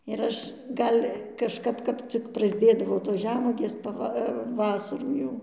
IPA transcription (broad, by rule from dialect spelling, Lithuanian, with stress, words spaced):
ɪr ˈɐʃ ˈɡɐlʲ kɐʃˈkɐp ˈkɐp t͡sʲɪk prɐzʲˈdʲeːdɐʋoː toːs ˈʒʲæːmuɔɡʲeːs pɐˈʋɐ ˈʋɑːsɐruː jɛʊ